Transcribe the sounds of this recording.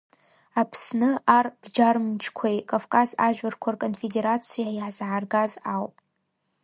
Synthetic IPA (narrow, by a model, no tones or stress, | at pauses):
apʰsnɨarb̥d͡ʒarmt͡ʃʰkʷʰajkʼavkʼazaʒᶣarkʷʰarkʼonfedeɾat͡sʰijaaiħzʕarɡazawpʼ